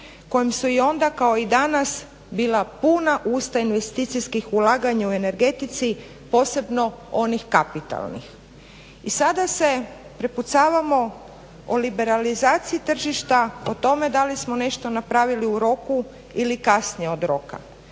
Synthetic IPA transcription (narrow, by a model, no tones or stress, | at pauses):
ko̞jimsuio̞nd̪akao̞id̪anas | biːlˠapunaʔuːst̪ainʋe̞st̪it̪sijskixulaːɡaɲaue̞ne̞ɾɡe̞t̪it̪si | po̞se̞bno̞o̞nixkapit̪a̰lˠnḭx | isad̪ase̞ | pɾeput̪saːʋamo̞ | olibe̞ɾalizaːt̪siit̪r̩ʒiʃt̪aot̪o̞me̞d̪alismone̞ʃt̪o̞napɾaːʋiliuɾo̞ku | ilikasɲeo̞d̪ɾo̞ka̰